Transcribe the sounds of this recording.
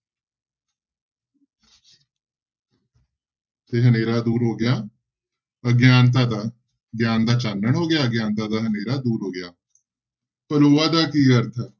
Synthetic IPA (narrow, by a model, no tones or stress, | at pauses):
t̪eːɦəneːɾaːd̪uːɾɦoːɡɪjaː | əɡjaːnt̪̬aːd̪aː | ɡjaːnd̪aːt͡ʃaːnəɳɦoːɡɪjaːəɡjaːnt̪aːd̪aːɦəneːɾaːd̪uːɾɦoːɡɪjaː | pəloːaːd̪aːkiːkəɾt̪ʰaː